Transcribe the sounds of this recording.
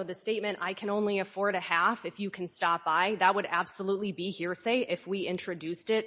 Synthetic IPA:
ðɨsteɪt̚mɨ̃nta̰ɪkʰɨ̃ñõʊ̃nliɨfɔɹɾɨhæfɨfjɨkʰn̩stɑp̚b̥aɪðət̚wəɾæb̥səlutˡlibihiɹseɪʔɪfwiɪ̃nt͡ʃɹ̥ɨdʉstɪt̚

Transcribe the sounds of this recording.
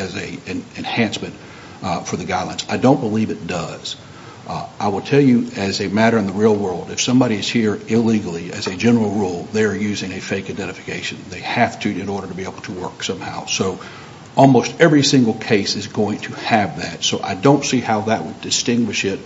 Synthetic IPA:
ɨzɨɨ̃nɨ̃nhæ̃nsmɨ̃nt | fə˞ðɨɡaɪdˡlə̃nsaɪdõʊ̃nb̥əlivɨt̚d̥ʌz̥ | ʔaɪwəlˠtʰɛlˠjɨɨzɨmæɾə˞ɨ̃nðəɹilˠwɜ˞lˠdɨfsʌ̃mbɑɾiɨz̥hiɹɪliɡl̩ˠiɨ̰zɨd͡ʒɛ̃nə˞l̩ˠɹulˠðeɪə˞jʉzɪ̃ŋɨfeɪkaɪdɛ̃ɾ̃ɨfɨ̥kʰeɪʃɨ̃n̩ðeɪhæftʰɨɨ̃nɔɹɾə˞ɾɨbieɪbl̩ˠtʰəwɜ˞ksʌ̃mha̰ʊsoʊ | ʔɔlˠmoʊstɛvɹisɪ̃ŋɡl̩ˠkʰeɪsɨzɡoʊɪ̃ŋtʰɨɨvðɨtsoʊʔa̰ɪdõʊ̃ntsihaʊðɨʔ̚wədɨstɪ̃ŋɡwɨʃɪt̚

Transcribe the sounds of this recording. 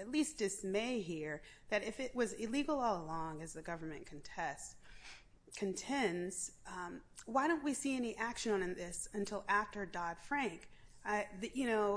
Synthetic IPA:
ɨtˡlisd̥ɨsmeɪɦiɹðɨɾɪfɪt̚wʌzɪliɡl̩ˠɔlˠəlɔ̃ŋɨzðɨɡʌvə˞mɨ̃nkʰɨn̩tʰɛs | kʰɨ̃ntʰɛ̃nz̥ | waɪɾõʊ̃nʔwisiɛniʔækʃɨ̃nə̃ñnðɪsɨ̃ntʰɪlˠʔæftə˞dɑd̥fɹæ̃ŋk | ðɨjɨnoʊ

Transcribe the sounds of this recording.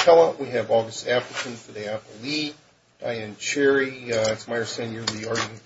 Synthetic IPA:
kʰɛlˠə̃ʔwiɨvɔɡɨstæfləkʰɨ̃ntʰɨdeɪæpli | d̥a̰ɪæ̃nt͡ʃʰɛɹiɨtsmaɪə˞sẽnjə˞ʌðiɑɹɡɨ̃n

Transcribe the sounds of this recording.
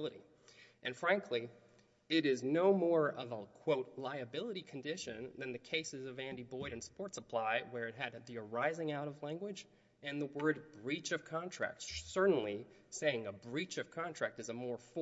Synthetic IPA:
lˠəɾḭ | ʔɨ̃nfɹæ̃ŋkʰli | ɪɾɪznoʊmɔɹʌvəkʰw̥oʊtˡlaɪɨbɪlˠəɾikʰn̩dɪʃɨ̰̃nðɨ̃nðɨkʰeɪsɨzʌvæ̃ndibɔɪɾɨ̃nspɔɹtsəpʰl̥aɪwə˞ɨt̚ɦɨd̪ðiə˞aɪzɪ̃ŋaʊɾʌvlæ̃ŋɡwɨd͡ʒ | ɨ̃nðəwɜ˞d̚bɹit͡ʃʌv̥kʰɑ̃ntʰɹ̥æ̰k̚tssɜ˞ʔn̩liseɪɪ̃ŋəbɹit͡ʃʌv̥kʰɑ̃ntʰɹ̥æk̚tɨzəmɔɹf

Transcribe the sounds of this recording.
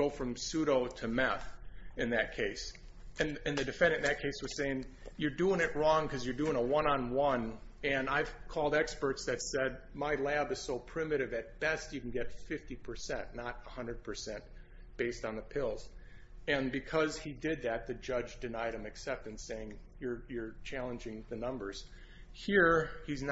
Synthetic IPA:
oʊfɹʌ̃msʉɾoʊɾɨmɛθɨ̃nðɨt̚kʰeɪs | ɨ̃nɨ̃nðɨdɨfɛ̃ndɨ̃nðɨt̚kʰeɪswʌz̥seɪɪ̃ŋjə˞duɪ̃ŋɨt̚ɹɔ̃ŋkʰʌzjə˞dʉɪ̃ŋəwʌ̃nə̃nwʌ̃nɨ̃naɪv̥kʰɔlˠdɛkspə˞tsðɨtsɛd̚maɪlæbɨz̥soʊpʰɹ̥ɪ̃mɨɾɨvɨt̚b̥ɛstjɨkn̩ɡɛtfɪftipʰə˞sɛ̰̃nnəɾəhʌ̃ndɹə˞d̚pʰə˞sɛ̃n | b̥eɪstn̩ðəpʰɪlˠz̥ | ɨ̃nbɨkʰʌz̥idɪd̪̚ðɨt̪̚ðɨd͡ʒʌd͡ʒdɨnaɪɾ̚ɨ̃mɨksɛp̚tɨ̃nseɪɪ̃ŋjə˞jə˞t͡ʃʰælˠə̃nd͡ʒɪ̃ŋðɨnʌ̃mbə˞z̥ | hiɹizn

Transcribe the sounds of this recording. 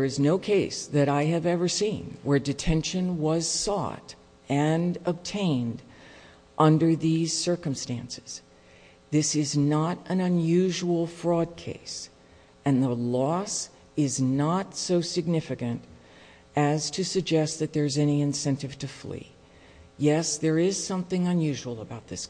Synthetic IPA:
ðə˞ɨznoʊkʰeɪsðɨɾaɪɨvɛvə˞sḭ̃nwə˞dɨtʰɛ̃nʃɨ̃nwʌz̥sɔ̰ɾ | ɨ̃nəb̚tʰẽɪ̃nd | ʔʌ̃ndə˞ðiz̥sɜ˞kɨ̃mstæ̰̃nsɨ̥z̥ | ðɪsɪznəɾʔɨ̃nɨ̃njʉʒul̩ˠfɹɔd̚kʰḛɪs | ɨ̃nðəlɔs | ɪznətsoʊsɨɡ̚nɪfɨkɨ̃nt | ʔɨz̥tʰɨsɨɡ̚d͡ʒɛst̪̚ðɨt̪̚ðə˞zɛniɨ̃nsɛ̃ntɨv̥tʰɨflḭ | jɛsðə˞ɪz̥sʌ̃mθɪ̃ŋɨ̃njʉʒul̩ˠəbaʊt̪̚ðɪs

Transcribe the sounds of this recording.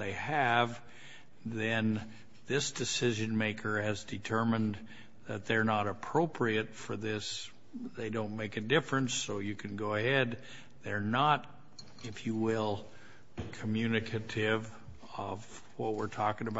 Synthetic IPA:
ðeɪɨv | ðɨ̃n | ðɪsd̥ɨsɪʒɨ̃nmeɪkʰə˞ɨzdɨtʰɜ˞mɨ̃n | ðɨt̪̚ðə˞nəɾəpʰɹ̥oʊpʰɹiɨtfə˞ðɪs | ðeɪdõʊ̃nmeɪkɨdɪfɹɨ̃nsoʊjɨkʰɨ̃nɡoʊəhɛd̪̚ | ðə˞nəɾ | ɪfjɨwɪlˠ | kʰəmjʉnɨkʰɨɾɪv | ʌv | wʌt̚wɪɹtʰɔkɪ̃ŋəba

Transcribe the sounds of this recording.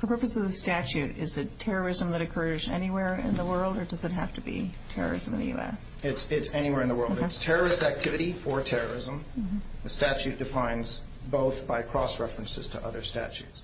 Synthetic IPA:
fə˞pʰɜ˞pɨsʌvðɨstæt͡ʃʉɾɪzɨtʰɛɹə˞ɪzə̃mðɨɾɨkʰɜ˞zɛ̰niwɛɹɪ̰̃nðəwɜ˞lˠdə˞dʌzɨt̚ɦæftɨbḭtʰɛ̰ɹə̰˞ɨ̰z̃mɨ̰̃nðɨ̰jʉ̰ɛ̰s | ɪtsɪtsɛñiwɛɹɨ̃nðəwɜ˞lˠtstʰɛɹə˞ɨstæk̚tʰɪvɨɾifə˞tʰɛɹə˞ɪzə̃m̩m̩ðɨstæt͡ʃʉt̚d̥ɨfãɪ̃nz | boʊθb̥aɪkʰɹ̥ɔsɹɛfɹɨ̃nsɨ̰z̥tʰəʔʌ̰ðə˞stæ̰t͡ʃʉ̰ts

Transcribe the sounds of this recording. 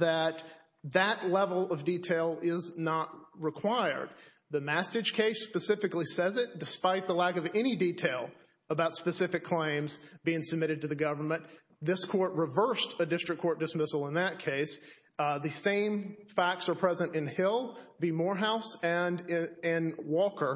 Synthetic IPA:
ðɨt̪̚ | ðɨtˡlɛvl̩ˠʌvditʰeɪlˠɪznət̚ɹɨkʰw̥aɪə̰˞d̪̚ | ðɨmæstɨd̥ʒ̥kʰeɪspɨsɪfɨklisɛzɨt̚d̥ɨspaɪt̪̚ðəlækʌvɛñiditʰeɪlˠ | əbaʊtspɨsɪfɨkʰl̥ẽɪ̃mzb̥iɪ̃ŋsəb̚mɪɾɨd̚tɨðɨɡʌvə˞mɨ̃n | ðɪskʰɔɹt̚ɹɨvɜ˞stɨdɪstɹ̥ɨkʰːɔɹt̚d̥ɨsmɪsl̩ˠə̃nðɨt̚kʰeɪs | ðɨsẽɪ̃ɱfæk̚tsə˞pʰɹ̥ɛzɨ̃ntɨ̃nhɪlˠbimɔɹɦaʊsɨ̃nɪ̃nwɔkə˞

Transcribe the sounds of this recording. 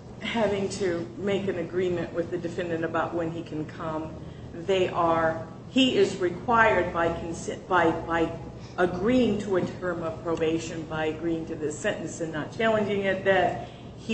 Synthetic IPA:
hævɪ̃ŋtʰɨmeɪkɨ̃nɨɡɹĩmɨ̃nʔwɨðɨdɨfɛ̃ndɨ̃ñɨbaʊʔ̚wɨ̃nikʰɨ̃n̩kʰʌ̃m | ðeɪʔə˞ | iɪzɹɨkʰw̥aɪə˞d̚baɪkʰn̩sɛb̥aɪbaɪ | əɡɹiɪ̃ŋtʰəɨtʰɜ̃˞mʌv̥pʰɹ̥oʊbeɪʃɨ̃nbaɪɨɡɹiɪ̃ŋtʰɨðɪsɛ̃ñʔn̩sɨ̃nːət̚t͡ʃʰælˠə̃nd͡ʒɪ̃ŋɪt̪̚ðɨt̚ | h

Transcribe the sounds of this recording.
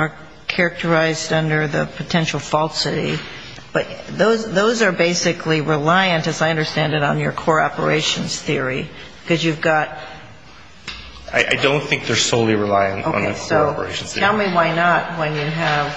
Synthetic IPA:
ə˞ | kʰɛɹɨk̚tʰə˞aɪzdʌ̃ndə˞ðɨpʰɨtʰɛ̃nʃl̩ˠfɔlˠsɨɾḭ | b̥ʌt̚ðoʊzðoʊzə˞beɪsɨkʰliɹɪlaɪɨ̃ntɨzaɪʌ̃ndə˞stæ̃ndɨɾn̩jə̰˞kʰoɹɑ̰pə̰˞ḛɪʃɨ̃nz̥θɪɹi | b̥ɨkʰʌzjʉvɡɑt̚ | a̰ɪʔa̰ɪdõʊ̃nθɪ̃ŋk̚ðə˞soʊlˠiɹilaɪɨ̃ntoʊn̩əsoʊpə˞eɪʃn̩ɛlˠmiwaɪnət̚wə̃njɨɨv̥

